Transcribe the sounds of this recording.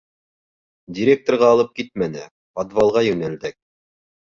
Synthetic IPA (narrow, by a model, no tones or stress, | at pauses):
dʲɪɾʲek̚t̪orʁɑːlˠɤp̚kit̪̚mænɘ | fad̪vɑlˠʁɑjɵnæld̪æk̚